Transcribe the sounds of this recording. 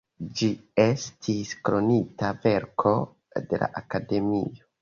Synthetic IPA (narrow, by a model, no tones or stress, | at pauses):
d͡ʒie̞stʰiskɾo̞nitave̞ɾkʰo̞ | de̞la̰ʔakade̞mio̞